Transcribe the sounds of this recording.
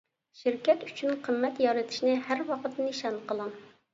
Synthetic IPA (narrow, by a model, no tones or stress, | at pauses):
ʃɪɾkʲɛt̪y̥t͡ʃʰynqʰəmːɛt̪jɑɾɨt̪ʰɪ̥ʃnɪhæɾwɑqət̪nɨniʃɑnqəlˠɨŋ